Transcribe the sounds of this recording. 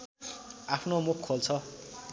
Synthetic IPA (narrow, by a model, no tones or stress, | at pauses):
apʰnomukʰːolt͡sʰʌ